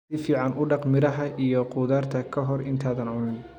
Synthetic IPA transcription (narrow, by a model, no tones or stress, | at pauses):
ɪfiːʕɑnʔʊɖɑqmɪɾɐɦɐʔijɔqʊːðaːrt̪ʰɐkʰɐɦɔrɪnt̪ʰaːðɐnʕʊnɪn